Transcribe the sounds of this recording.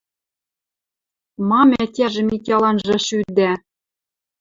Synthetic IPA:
mɑmʲætʲæʒɘ̆mikʲɑlɑnʒɤ̆ʃyd̪æ

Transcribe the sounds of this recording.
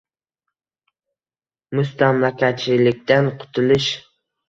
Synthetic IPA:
mʊst̪amlakʲat̪̚t͡ʃʰːɪlɪk̚ʲt̪anqʰʊ̥t̪ʰʊlˠɪʃ

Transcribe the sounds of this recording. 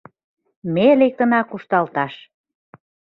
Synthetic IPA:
melek̚t̪ə̆nɑkuʃt̪ɑlt̪ɑʃ

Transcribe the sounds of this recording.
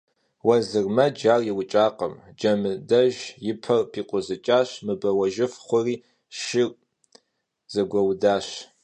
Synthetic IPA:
wɐzɨrmɐd͡ʒaːrjɪwʊt͡ʃʼaːqɐ̰md͡ʒɐmɨdɐʒjɪpʰɐrpʰiːqʷʼʊzɨt͡ʃʼaːɕmɨbɐwɐʒɪfχʷʊriː | ʃɪr | z̥ɐɡʷɐwdaːɕ

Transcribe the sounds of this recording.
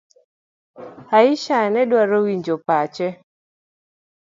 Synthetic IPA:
aiʃanɛdwaɾowiɲd͡ʒopat͡ʃɛ

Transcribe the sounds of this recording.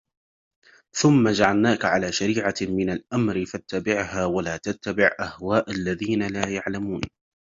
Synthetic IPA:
θʊmːad͡ʒaʕalnaːkʕalaːʃaɾiːʕamɪnalʔamɾɪfat̪ːabɪʕhaːwalaːt̪at̪ːabɪʕʔahwaːʔalːaðiːnalaːjaʕlamuːn

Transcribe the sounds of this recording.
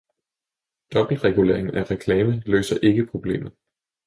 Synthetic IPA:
d̥ɒ̽b̥l̩ʁɛɡ̥ule̝̰ɐeŋn̩ʔæʁɛkʰlɛːməlø̰ːsɐʔe̝ɡ̥əpʰʁo̝b̥le̝̰ːmð̩ˠ

